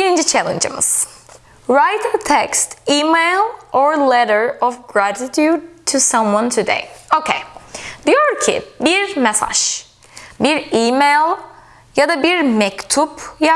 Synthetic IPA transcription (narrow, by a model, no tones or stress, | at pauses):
biɾind͡ʒit͡ʃʰɛlʲˠḛnd͡ʒɯ̰mɯ̰z̥ | ɾajt̪t̪ʰɛkst̪iːmejlˠɔɾlɛɾəɹɔvɡɾat̪it̪ʰjud̪̚t̪ʰusãmwãnt̪ʰud̪ḛjocʰejd̪̥ijoɾcʰḭbiɾmesa̰ʒ̥ | biɾiːmejlʲˠ | jad̪abiɾmɛkt̪ʰupja